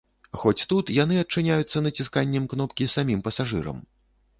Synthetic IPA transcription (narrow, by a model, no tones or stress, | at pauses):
xɔt͡sʲt̪ut̪janɨɐt͡ʂɨnʲajut̪sːɐnɐt͡sʲiskanʲːɛmknɔpkʲisamʲimpɐsaʐɨ̰ɾɐ̰m